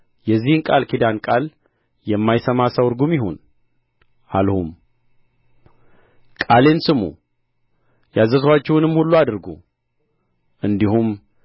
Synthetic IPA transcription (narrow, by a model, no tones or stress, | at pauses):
jɛzːihɨnkʼalkʰid̪ankʼal | jɛmːajsəmasəwɨɾɡumjiɦon | ʔalhum | kʼale̞nsɨmṵ | jazəswat͡ʃːɛwnɨmːhulːuad̪ɨɾɡṵ | ʔɨnd̪ihum